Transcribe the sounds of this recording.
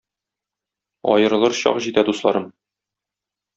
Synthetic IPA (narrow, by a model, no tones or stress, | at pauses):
ɒ̰jɤ̆ɾɤ̆lˠɤɾɕɒ̰qʑit̪æd̪uslˠɑ̰ɾɤm